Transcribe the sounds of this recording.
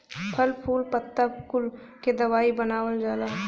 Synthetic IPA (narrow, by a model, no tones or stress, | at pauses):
pʰəlpʰuːlpət̪ːapkʊl | ked̪ɐʋaːibənaːwəld͡ʒaːlaː